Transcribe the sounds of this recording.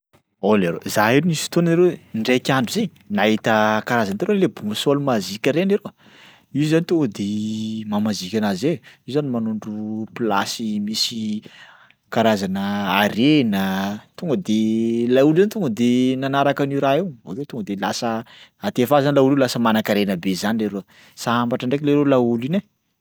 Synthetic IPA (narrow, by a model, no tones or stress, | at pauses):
oleɾo̰zaɦiɾunisu̥t̪onaiɾeɳɖ͡ʐekʲaɳɖ͡ʐuzeɲinaɦit̪əkaɾazant̪eɾonlebuŋəsolumazikʲəɾeneɾo | iuzanit̪oŋɡəd̪emamazikʲanazeiuzanimanuɳɖ͡ʐupila̰simisi | kaɾazanəaɾenət̪uŋɡəd̪elaulzanit̪uŋɡəd̪enanaɾakaniɾaewo̰kewt̪uŋɡəd̪ela̰səat̪efazanilauliwlasəmanakaɾenəbezanileɾo | saambaʈ͡ʂaɳɖ͡ʐek̬ʲleɾolauline